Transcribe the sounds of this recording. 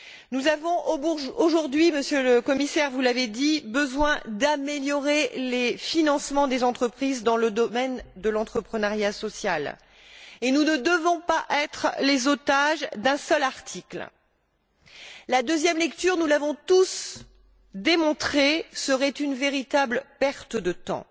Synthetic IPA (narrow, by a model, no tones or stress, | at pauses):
nuzavɔ̃ʔooʒuʁd̪ɥiməsjøləkɔmisɛʁvulaved̪ibəzwɛ̃d̪ameljɔʁelefinɑ̃smɑ̃d̪ezɑ̃t̪χəpχizd̪ɑ̃ləd̪ɔmɛnd̪əlɑ̃t̪χəpχənaʁjasɔsjal | enunəd̪əvɔ̃paʔɛt̪χlezot̪aʒd̪ɛ̃sœlaʁt̪ʰikl | lad̪øzjɛmlɛkt̪yʁnulavɔ̃t̪us | d̪emɔ̃t̪χesəʁɛt̪ynveʁit̪ablpɛʁt̪əd̪ət̪ɑ̰̃